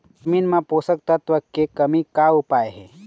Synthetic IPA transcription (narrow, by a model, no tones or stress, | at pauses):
d͡ʒəmiːnmãpoːsək̚t̪ət̪ʋəkːekəmikaupaeɦɛ̰